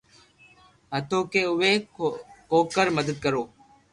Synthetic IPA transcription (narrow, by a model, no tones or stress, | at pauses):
ɦət̪oːkeːʊʋeːkoːkəɾməd̪əd̪̚kəɾoː